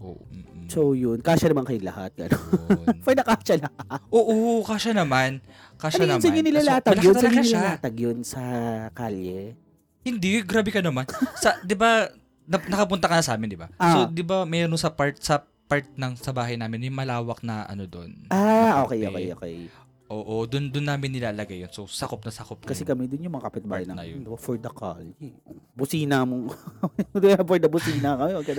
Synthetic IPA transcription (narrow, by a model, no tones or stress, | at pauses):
ʔo̰ʔ̩sowjʊnkaːʃɐnɐmankɐjlɐ̰ha̰t̪̚ɡɐ̰nofɐjnɐkaːʃɐlɐhaʔoːʔokaːʃɐnɐman | kaːʃanɐmsɪɲɪnɪlalaːt̪ɐoat̪ɐkaʃalaːt̪ɐɡjonsɐkaːljɛ | hɪnd̪ɪɡɾaːbɛkɐnɐmansɐd̪ɪba | nɐnɐkɐpʊnt̪ɐkɐnɐsɐʔaːmɪnd̪ɪba̰sod̪ɪbamɛːɾonsɐpaɹt̪̚sɐ | paɹt̪̚nɐŋsɐbaːɦɐjnaːmɪnmɛmɐlaːwɐk̚nɐʔɐ̰nod̪onʔaʔoːkɛjʔokɛjʔoːkɛj | ʔoːʔod̪ʊnd̪ʊnːaːmɪnːɪlaːlɐɡajːonsosɐkop̚nɐsɐkop̚kɐsɛkɐmɛd̪ʊnjʊŋmɐŋakɐpɪt̪̚baːhɐjnɐnɐ̰jʊd̪ɪbfɔɹd̪ɐkali | bʊsiːnɐmo | d̪ʊɐpɔɾd̪ɐbʊsiːnɐkɐmɛwɐɡkɐd̪